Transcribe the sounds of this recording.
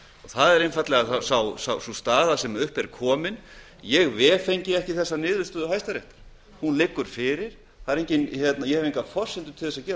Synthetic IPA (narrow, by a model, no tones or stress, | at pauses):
ɔɣθaðɛɾɪjnfat̪lɛɣasawsawsawsust̪aːðasɛmʏhpɛɾkʰɔːmɪn | jɛɣvɛːfejɲcɪɛhcɪθɛsːanɪːðvʏ̥st̪ʏːðʏhajst̪aɾjɛht̪ḁɾ̥ | hunlɪkːʏɾ̥fɪːɾɪɾ̥ | θaðɾejɲcɪnçjɛt̪najɛhɛvejŋkafɔr̥sɪnt̪ʏ̥t̪ʰɪlθɛs̬ːacɛːɾ